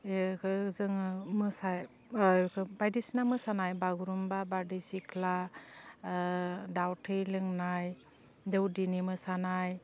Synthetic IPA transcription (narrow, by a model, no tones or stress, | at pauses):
ekʰɯzɯŋmɯsaj | kʰɯbajdisnamɯsanajbaɡuɾumbabaɾdisikʰla | dawtʰɯjlɯŋnaj | dɯwdinimɯsanaj